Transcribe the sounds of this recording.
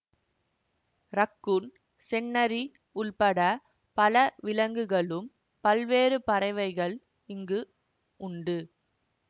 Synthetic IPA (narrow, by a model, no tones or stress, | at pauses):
ɾɐkːɯn | sɛnːɐɾi | ʊɭpɐɽɐ | pɐlɐʋɪlɐŋɡɯɣɐɭɯm | pɐlʋeːɾɯpɐɾɐɪʋɐɪɣɐɭ | ɪŋɡɯ | ʊɳɖɯ